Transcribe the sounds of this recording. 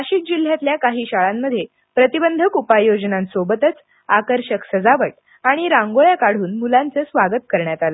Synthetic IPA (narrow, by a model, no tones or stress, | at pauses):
aɕiːk̚d͡ʑil̤ːjat̪ljakaɦiːɕaɭamːəd̪ʱːje | pɾət̪ibənd̪ʱəkupajod͡ʑnãnsobət̪ət͡s | akəɾɕəksəd͡zaʋəʈ̚ | aɽ̃iɾãŋɡoɭjakaɽ̤uːnmulant͡səːsʋaɡət̪̚kəɾɳjat̪alə